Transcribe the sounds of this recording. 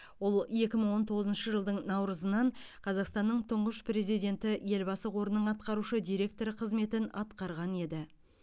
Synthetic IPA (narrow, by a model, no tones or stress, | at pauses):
wo̞lˠje̞kʲɪməɴwo̞nt̪ʰo̞ʁəzənʃəʒəlˠd̪əɴnɑwɾəzənɑɴqʰɑzɑqst̪ɑnːəɴt̪ʰʊɴʁəʃpre̞zijd̪ʲe̞nt̪ɪje̞lbɑsəqʰo̞ɾənːəɴɑt̪̚qɑɾuʃəd̪ijɾe̞k̚t̪o̞ɾɪqʰəzme̞t̪ɪnɑt̪qɑɾʁɑne̞d̪ɪ